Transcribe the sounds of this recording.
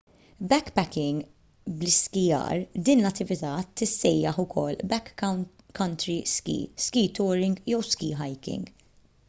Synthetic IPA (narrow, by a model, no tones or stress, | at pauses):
bɛkːpɛkɪŋɡ | blɪskɪjɐ̰ːɾd̪iːnlɐt̪ːɪvɪt̪ɐt̪ːɪsːɛjːɐħʊkʰɔlːbɛk | kːɐnt̪ɾiskḭːskiːt̪ɔːɾɪŋɡjɛwskiːɦɐjkɪ̰̃ŋɡ